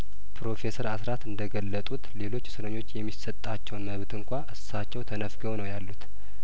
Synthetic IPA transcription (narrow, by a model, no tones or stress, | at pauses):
pʰɾo̞fe̞səɾasɾat̪ɨnd̪əɡəlːət̪ʼut̪le̞lo̞t͡ʃːsɨɾəɲːo̞t͡ʃːjɛmːisət̪ʼːat͡ʃːɛwnməβt̪ʰɨŋkʷaʔɨsat͡ʃːɛwt̪ʰənəfɡəwnəwjalːut̪